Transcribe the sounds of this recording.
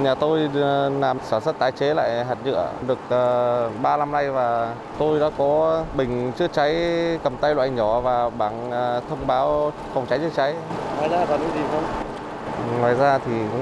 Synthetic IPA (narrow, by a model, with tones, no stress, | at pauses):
ɲaː˨˩t̪o˧jnaː˨˩msaː˧˩nsə˦˥t̚t̪aː˨˩jt͡ɕe˨˦la̰ː˧˨jɦaː˨˩t̚ɲɨ̰˧˨əɗɨ˨˩ək̚ʔːɓaː˧la˧mna˧jvaː˨˩ | t̪o˧jɗa̰ː˧˥kɔ˨˦ɓï˨˩ŋ̟t͡ɕɨ˧˥ət͡ɕa˨˦jkə˨˩mt̪a˧jlwa̰ː˧˩ɲɔ˧˩vaː˨˩ɓaː˧˩ŋː˨˩t̪ʰə˧wŋ͡mɓaː˨˦w | fwŋ͡mt͡ɕa˨˦jt͡ɕɨ˧ət͡ɕa˨˦jŋaː˨˧˩jzaː˧aː˨˩nɨ̰˧˦˥zi˨˩xə˧wŋ͡m | ŋɔː˨˩jzaː˧t̪ʰi˨˩